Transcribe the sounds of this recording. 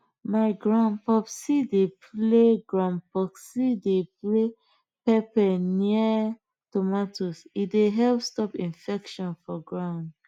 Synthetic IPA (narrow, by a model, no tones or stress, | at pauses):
maɪɡɹãnpɔpsidepʰleɡɹãnpɔksideple | pɛpɛniə | tomatʰosideɦɛlpstɔpĩnfɛkʃɔ̃nfɔɡɹãʊ̃nd